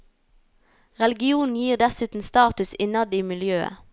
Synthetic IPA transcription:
ʁɛlɪɡɪuːnn̩jiːʁd̪ɛsʉːt̪n̩st̪ɑːt̪ʉsɪnɑd̪iːmɪljøːə̰

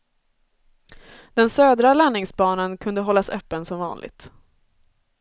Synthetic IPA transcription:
d̪̥ɛnsøːd̪ɾalanːɪŋsbɑːnankʰɵnd̪əɦɔlːasœːpːənsɔmvɑ̰ːnlɪ̰ɡ̚t̪

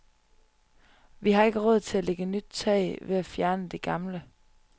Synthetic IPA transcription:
ʋiɦɑ̈e̝ɡ̥əʁɔ̽ð̰ˠt͡sʰe̝æleɡ̥ənyd̥̚t͡sʰɛɪʋe̝æfjæɐnəd̥e̝ɡ̥ɑ̈mlə

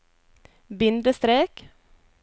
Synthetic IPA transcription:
bɪnd̪əst̪ɾeːk

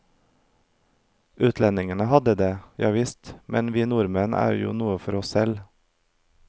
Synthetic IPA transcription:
ʔʉːt̪ʰlɛnɪŋənəhɑd̪əd̪eːjʔæɪʋɪst̪mʔɛnʋiːnuːɾmɛnʔæ̰ːɾjṵːnuːəfɔɾɔssɛl

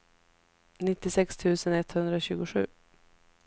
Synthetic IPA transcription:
nɪt̪ːɪsɛkst̪ʰʉ̟ːsənɛt̪hɵnd̪ɾaɕʉ̟ːɡʊɧʉ̟̰ː

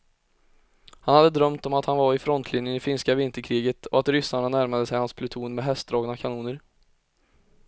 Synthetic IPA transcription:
hanhad̪ːəd̪ɾœmt̪ɔmat̪hanvaɾɪfɾɔnt̪ʰlɪnjənɪfɪnskavɪnt̪əɾkʰɾiːɡət̪ʰɔat̪ɾʏsaɳanæɾmad̪əsɛjhanspʰlɵt̪ʰuːnmɛɦɛst̪̚d̪ɾɑːɡnakʰanuːnəɾ

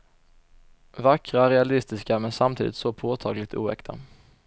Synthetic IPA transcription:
vakːɾaɾɛalɪst̪ɪskamɛnsamt̪ʰḭːd̪ɪt̪sɔpʰoːt̪ʰɑːɡlɪɡ̚t̪ṵːɛ̰kt̪ʰa̰

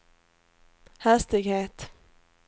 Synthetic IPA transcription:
hæst̪ɪɡheːt̪

